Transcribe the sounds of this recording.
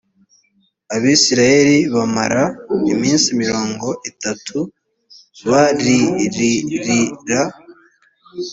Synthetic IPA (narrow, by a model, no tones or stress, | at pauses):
aβiːsiɾaje̞ɾiβama̰ɾaimiːnsimiɾo̞ːŋɡo̞ʔitatʰu | βaɾiɾiɾiɾa